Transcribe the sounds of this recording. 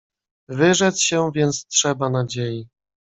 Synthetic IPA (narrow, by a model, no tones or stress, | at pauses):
vɘʐɛt̪sɕɛvʲjɛnt̪stʂɛbanad͡ʑeji